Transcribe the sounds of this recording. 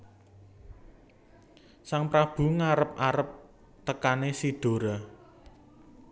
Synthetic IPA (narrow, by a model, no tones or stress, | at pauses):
saŋpɾab̥ṳŋaɾəp̚aɾəp̚ | t̪əkanesid̪̥o̤ɾa